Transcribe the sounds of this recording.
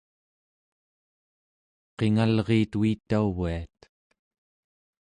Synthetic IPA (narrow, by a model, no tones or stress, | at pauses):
qe̞ŋalʁeːt̪uit̪ːauviat̪